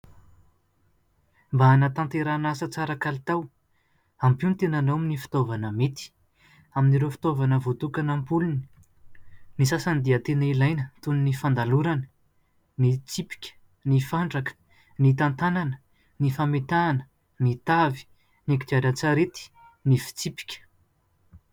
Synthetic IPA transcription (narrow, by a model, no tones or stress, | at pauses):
mbanat̪ãnt̪eɾanasət͡saɾəkalit̪aw | ampunit̪enanawaminifi̥t̪ovanəmet̪i̥ | aminiɾofi̥t̪ovanəvot̪ukanampuluni | nisasanid̪iət̪enəilajnət̪uninifand̪aluɾanə | nit͡sipi̥kʲə̥ | nifaɳɖ͡ʐakə̥ | nit̪ant̪ananə | nifamet̪aːnə̥ | nit̪avi̥ | nekid͡ʒ̪aɾat͡saɾet̪i̥ | nifi̥t͡sipi̥kʲə̥